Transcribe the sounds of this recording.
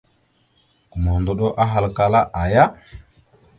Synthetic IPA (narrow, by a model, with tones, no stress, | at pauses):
ku˨mo˨ndo˦ɗo˦ʔa˦ɦa˨lka˦la˦ʔa˨ja˦